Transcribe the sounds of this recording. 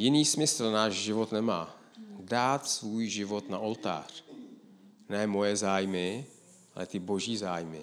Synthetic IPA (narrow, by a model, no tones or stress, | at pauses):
jɪniːsmɪsl̩naːʒʒɪvot̪nɛmaː | daːt̪svuːjʒɪvot̪naolt̪a̰ːr̝̥ | nɛːmo̞jɛzaːjmɪ | ʔa̰lɛ̰t̪ɪbo̞ʒiːzaːjmɪ̰